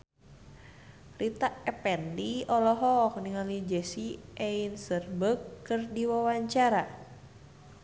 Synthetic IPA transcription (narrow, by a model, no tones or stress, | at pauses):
rit̪aʔɛpɛndiɔlɔɦɔk̚niŋalid͡ʒɛsiʔɛinsərbəkːɨrdiwawaɲt͡ʃaɾa